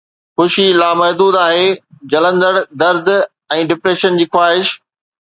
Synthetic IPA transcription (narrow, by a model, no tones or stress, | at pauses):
xʊʃilaːmɐɦd̪uːd̪aːɦed͡ʑɐlə̃nd̪əɽd̪ɐɾd̪ | ɛ̃ːɖɪpɾeːʃənd͡ʑiːxwaːɦɪʃ